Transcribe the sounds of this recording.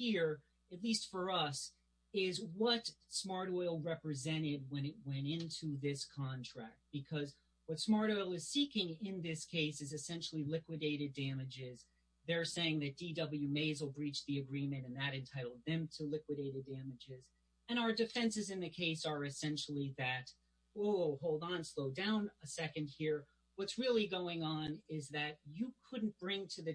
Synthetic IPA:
hiɹ | ɨtˡlistfə˞ʌs | ɪzwʌtsmɑɹɾɔɪlˠɹɛpɹɨzɛ̃ɾ̃ɪd̚wə̃ñɨt̚wɛ̃ɾ̃ɪ̃ntʰuðɪskʰɑ̃ntʰɹ̥æk̚t̚b̥ɨkʰʌz | wʌtsmɑɹɾɔɪl̩ˠɨz̥sikɪ̃ŋɪ̃nðɪskʰeɪsɨzɨsɛ̃nʃl̩ˠilɪkwɨɾeɪɾɨdæmɨd͡ʒɪz | ðə˞seɪɪ̃ŋðɨt̚d̥idʌbl̩ˠjʉmeɪzwəl̩ˠbɹit͡ʃðiɨɡɹĩmɨ̃ɾ̃ɨ̃nðɨɾɨ̃ntʰaɪɾl̩ˠd̪̚ðɨ̃mtʰəlɪkwɨɾeɪɾɨdæmɨd͡ʒɪz | ɨ̃ɾ̃aʊə˞dɨfɛ̃nsɨzɨ̃nðɨkʰeɪsə˞ɨsɛ̃nʃl̩ˠiðɨt | lˠhoʊlˠd̃n̩sloʊdãʊ̃nəsɛkɨ̃nd̚hiɹ | wʌtsɹɪlˠiɡoʊɪ̃ŋə̃nɪzðɨt͡ʃɨkʰʊdⁿn̩b̥ɹɪ̃ŋtʰɨðɨ

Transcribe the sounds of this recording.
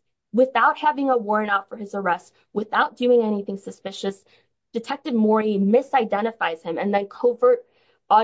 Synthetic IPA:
wɪθaʊt̚hævɪ̃ŋəwɔɹ̃natfə˞ɨzə˞ɛst̚ | wɨθaʊt̚d̥ʉɪ̃ŋɛniθɪ̃ŋsɨspɪʃɨs | d̥ɨtʰɛk̚tɨvmɔɹimɪsaɪdɛ̃ɾ̃ɨfaɪz̥ɨ̃mɨ̃nðɨ̃nkʰoʊvə˞ɾ | ɔ

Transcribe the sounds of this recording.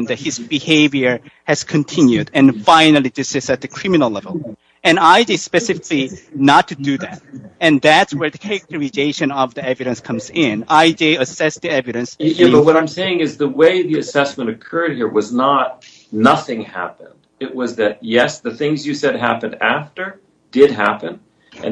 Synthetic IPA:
nðɨt̚hɨzbɨheɪvjə˞ | hɨz̥kʰɨ̃ntʰɪ̃njʉɾɨ̃nfãɪ̃nl̩ˠidɪsɨsɨt̪̚ðɨkʰɹ̥ɪ̃mɨnl̩ˠlɛvəlˠ | ɨ̃naɪd͡ʒispɛsɪfɪklinətʰɨdɨðæt̚ɨ̃nðætswə˞ðɨkʰæɹɨk̚tʰəɹɨzeɪʃɨ̃nʌvðiɛvɨɾɨ̃nskʰʌ̃mzɪ̃naɪd͡ʒiɨsɛsðiɛvɨɾɨ̃nsjwʌɾãɪ̃mseɪɪ̃ŋɨzðəweɪðiɨsɛsmɨ̃ñɨkʰɜ˞d̚hiɹwʌznət̚ | nʌθɪ̃ŋhæ̰pɨ̃nd̥ɨʔ̚wʌzðɨt̚jɛsðɨθɪ̃ŋzjɨsɛd̚ɦæ̰pɨ̃ndæ̰ftə˞ | d̥ɪd̚ɦæ̰pɨ̃n | ɨ̰̃

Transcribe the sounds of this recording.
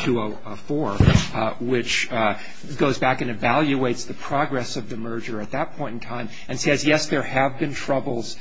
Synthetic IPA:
tʰɨo | əfɔɹ | wɪt͡ʃ | ɡoʊzbækɨ̃nɨvælˠjueɪtsðɨpʰɹ̥ɑɡɹɛsʌvðɨmɜ˞d͡ʒə˞ɨt̪̚ðɨt̚pʰɔ̃ɪ̃ntn̩tʰãɪ̃m | ɨ̃nsɛzjɛsðə˞ɨvbɨ̃ntʰɹ̥ʌbl̩ˠz̥

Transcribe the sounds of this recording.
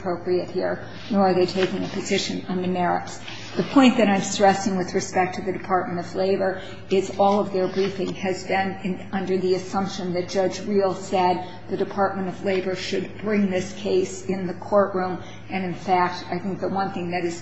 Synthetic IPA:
pʰɹ̥oʊpɹiɨt̚hiɹ | nɔ˞ə˞ðeɪtʰeɪkɪ̃ŋɨpʰɨzɪʃɨ̃nʌ̃nðɨmɛɹɨ̰ts | ðɨpʰɔ̃ɪ̃nðɨɾãɪ̃mstɹ̥ɛsɪ̃ŋwɨðɹɨspɛk̚tʰɨðɨdɨpʰɑɹt̚mɨ̃ɾ̃ʌvleɪbə˞ | ɪzɔlˠʌvðə˞bɹifɪ̃ŋɨzbɪ̃ñ | ʌ̃ndə˞ðiɨsʌ̃mpʃɨ̃nðɨt̚d̥ʒ̥ʌd͡ʒɹilˠsɛd̪̚ | ðɨdɨpʰɑɹt̚mɨ̃ñʌvleɪbə˞ʃɨd̚bɹɪ̃ŋðɪskʰeɪsɪ̃nðɨkʰɔɹʔɹũm | ɨ̃nɨ̃nfæk̚taɪθɪ̃ŋk̚ðət̚wʌ̃nθɪ̃ŋðɨɾɨz̥

